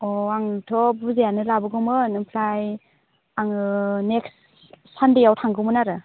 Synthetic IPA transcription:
ɔaŋtʰɔbuzejanɯlabɯɡɯmɯnɯpʰlaj | aŋɯneksː | andejawtʰaŋɡɯmɯnaɾɯ

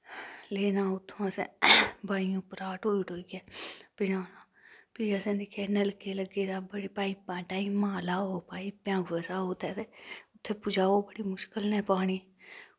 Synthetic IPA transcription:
leːnaːʊt̪ʰːõːsḛ̃baːiõːpəɾaːʈoːiʈoːiɡɛːpɪd͡ʒaːnaː | piːəsɛ̃ːd̪ikʰɛːnəlkeːləɡeːd̪aːbəɽiːpaːiːpãːʈaːiːmãːlaːɦoːpaːiːpjãːɡəsaːoːt̪ʰɛːt̪eʊt̪ʰːeːpʊd͡ʒaːoːbəɽiːmʊʃkəlnɛːpaːɽ̃iː

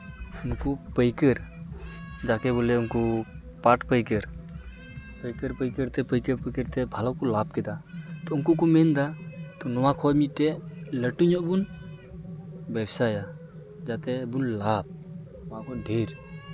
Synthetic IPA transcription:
unkupəjkəɾ | d͡ʒakɛbɔlɛunku | paʈpəjkəɾ | pəjkəɾpəjkəɾt̪ɛpəjkəɾpəjkəɾt̪ɛbʱalɔkɔlab̚kɛd̪at̪ɔunkuk̬ɔmɛnd̪at̪ɔnɔwakʰɔmit̪̚ˀʈɛʔləʈuɲɔʔbun | bɛbsaja | d͡ʒat̪ɛbunlab̚ | ɔwaʔkʰɔɖʱeɾ

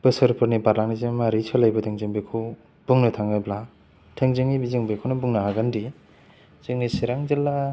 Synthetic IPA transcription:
b̥ɯsɯɾpʰɯɾnibaɾlaŋnizemaɾit͡ʃʰɯlajbɯtʰeŋziŋbɯkʰɯw | b̥uŋnɯtʰaŋabla | tʰeŋzɯŋibiziŋbɯkʰownɯbuŋnaɦaɡɯndi | zɯŋisiɾaŋzelːa

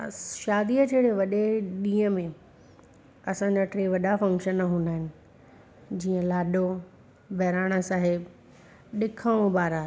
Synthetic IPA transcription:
ʃaːd̪iəd͡ʑeːɽeʋɐɗeɗĩːə̃mẽ | ɐsãɲd͡ʑaʈɾeːʋɐɗafɐ̃ŋkʃənːɐɦũːnd̪aːɦɪnɪ̆ | d͡ʑiːə̃laːɗo | bʱɛɦɾaːɽ̃əsaːɦɪb | ɗɪkʰaɽ̃õbaːɾa

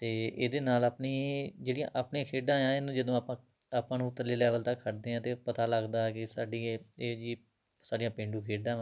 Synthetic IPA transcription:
t̪eːḛːd̪eːnaːlapniːd͡ʒeːɽijã̰ːʔapɳẽːkʰeːɖãːjãːenũːd͡ʒəd̪õːpãː | apãːnũːt̪əleːlɛːʋəlt̪əkʰːəʈd̪eːãːt̪eːpət̪aːləɡd̪aːɛkɪsaːɖiːeːd͡ʒiː | saːɖijãːpẽːɳɖũːkʰeːɖãː

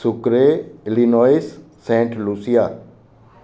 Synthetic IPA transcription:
sʊkɾeɪlinɔisː | ẽːɳʈlusija

